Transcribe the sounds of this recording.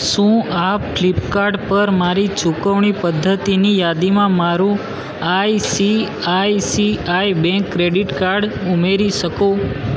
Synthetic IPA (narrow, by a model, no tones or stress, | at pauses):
ʃũap̚klipkaɾɖpəɾmaɾit͡ʃukəʋɳipəd̪ʱːət̪inijad̪imãmaɾũ | ajsi | ajsiajbɛ̃ŋkːɾeɖiʈkaɾɖumeɾiʃəko